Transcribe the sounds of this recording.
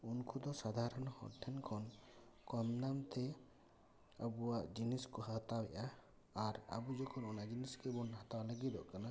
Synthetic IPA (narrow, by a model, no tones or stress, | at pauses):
unkʰud̪ɔsad̪ʱaɾɔnɔhɔ̰ʈʰːɛnkʰɔnkɔmnamt̪ɛ | abuwaʔd͡ʒiniskɔɦat̪awɛʔaː | ɾa̰bud͡ʒɔkʰɔnɔnad͡ʒiniskebɔnɦat̪awalaɡid̪ɔ̰ʔkana